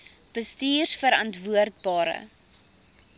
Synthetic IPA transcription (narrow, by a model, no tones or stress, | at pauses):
b̥əstiːrsfəɾɐntvuərt̚bɑːɾə̰